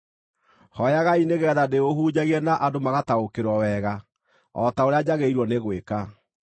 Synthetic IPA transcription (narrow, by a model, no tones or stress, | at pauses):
hɔjaɣaineɣɛːðadeohuːɲaɣiɛnaʔadomaɣataokeɾwɔwɛɣa | ɔ̰taoɾead͡ʑaɣeiɾwɔneɣweka